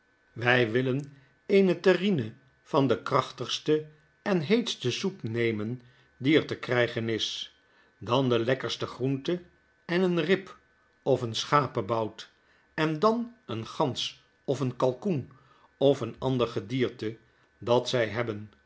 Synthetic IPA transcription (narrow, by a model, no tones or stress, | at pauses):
ʋɛjʋɪlən | ejnətərinə | v̥ɑndəkrɑχtəχstə | ɛnɦejtstəzuknejmən | diɛɹtəkrɛjχənɪs | dɑndəlɛkəɹstəχruntə | ɛnənrɪp | ɔfənsχaːpəbɑwt | ɛndɑnənχɑns | ɔfənkɑlˠkun | ɔfənɑndəɹχədiːɹtə | dɑtsɛjɦɛbən